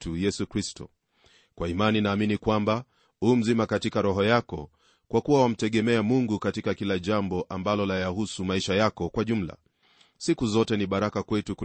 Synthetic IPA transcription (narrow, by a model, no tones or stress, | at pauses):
tʰujɛsukɾistɔ̰ | kwaimaninaːminikwamba | hum̩zimakatikaɾɔɦɔjakɔ̰ | kwʔakuwawam̩tɛɠɛmɛamuŋɡukatikakilaʄambɔʔambalɔlajahusumaiʃajakɔkwaʄum̩la̰ | sikuzɔtɛniɓaɾakakwɛtuku